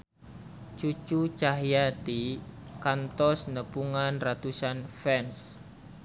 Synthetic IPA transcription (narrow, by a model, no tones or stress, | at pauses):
t͡ʃut͡ʃut͡ʃaɦjad̪ikant̪ɔsnəpuŋanrat̪usanfɛns